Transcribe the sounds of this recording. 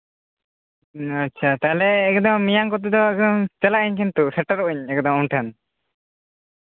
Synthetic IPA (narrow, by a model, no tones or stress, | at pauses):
atːt͡ʃʰat̪alɛːkd̪ɔŋmijaŋkɔt̪̬ɛd̪ɔɛk̪ɔŋt͡ʃəlaʔiɲkʰɛnt̪usɛʈaɾuʔiɲɛkd̪ɔŋunʈʰɛn